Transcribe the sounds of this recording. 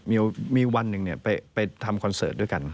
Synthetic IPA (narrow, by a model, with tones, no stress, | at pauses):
miː˧miː˧wa˧nːɯ˨˩ŋni˥˩ɐpa˧jpa˧jt̪ʰa˧mkʰɔ˧nsɤː˨˩t̪̚du˥˩jka˧n